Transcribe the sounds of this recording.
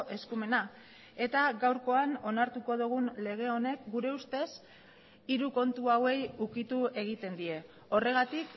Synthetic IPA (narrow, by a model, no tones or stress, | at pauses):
ʔe̞skume̞na | e̞t̪aɣawɾko̞ano̞naɾt̪uko̞ðuɣ̞unle̞ɣ̞e̞o̞ne̞kɡuɾe̞ust̪e̞s | iɾuko̞nt̪uawe̞jukit̪ue̞ɣ̞it̪e̞nd̪ie̞ | o̞re̞ɣ̞at̪ik